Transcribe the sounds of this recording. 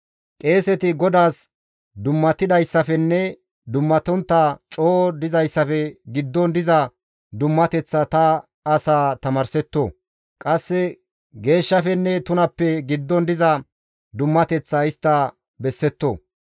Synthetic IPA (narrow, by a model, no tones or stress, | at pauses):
kʼe̞ːsɛt̪ɪɡɔd̪aːs | d̪ʊmːɐt̪ɪd̪ɐjsːɐfɛnːɛ | d̪ʊmːɐt̪ɔnt̪ːɐt͡ʃʼoːd̪ɪzɐjsːɐfɛɡɪd̪ːɔnd̪ɪzɐ | d̪ʊmːɐt̪ɛt͡sːɐt̪ɐː | saːt̪ɐmɐɾsɛt̪ːoː | kʼɐsːɛ | ɡe̞ːʃːɐfɛnːɛt̪ʊnɐpːɛɡɪd̪ːɔnd̪ɪzɐ | d̪ʊmːɐt̪ɛt͡sːɐɪst̪ːɐ | bɛsːɛt̪ːoː